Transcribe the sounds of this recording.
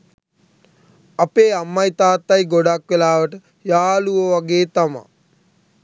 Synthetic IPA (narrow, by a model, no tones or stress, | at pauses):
apeːamːajt̪aːt̪ːajɡoɖakʋelaːʋəʈə | jaːluʋəʋaɡeːt̪ama̰